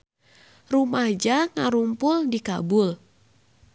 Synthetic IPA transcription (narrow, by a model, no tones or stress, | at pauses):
rumahd͡ʒaŋaɾumpʊldikabʊl